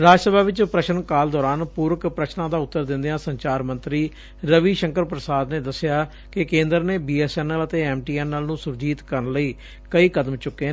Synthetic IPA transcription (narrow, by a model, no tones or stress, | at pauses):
ɾaːd͡ʒsəbʱaːʋɪt͡ʃpɾəʃənkaːld̪ɔːɾaːnpuːɾəkpɾət͡ʃnãːd̪aːʊt̪ːəɾd̪ɪ̃nd̪eãːsəɲt͡ʃaːɾmə̃nt̪ɾiː | ɾəʋiːʃəŋkəɾpɾəsaːd̪neːd̪əsːɪjaː | kɪkẽːnd̪əɾneːbiːɛːsɛːnələt̪eːɛːmʈiːɛːnːəlnũːsʊɾd͡ʒiːt̪kəɾnləiː | kəiːkəd̪əmt͡ʃʊkːeː